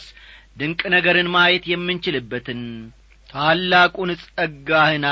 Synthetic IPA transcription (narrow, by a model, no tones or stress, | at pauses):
d̪ɨŋkʼnəɡəɾɨnmajɛt̪jɛmːɨnt͡ʃɪlɨbːət̪ʰɨn | t̪ʰalːakʼunɨsʼəɡahɨna